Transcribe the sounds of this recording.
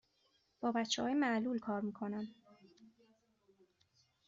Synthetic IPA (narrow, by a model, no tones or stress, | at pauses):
b̥ɒːbætt͡ʃʰːḛhɒːjemæʔluːlkʰɒːɾmiːkʰo̞næn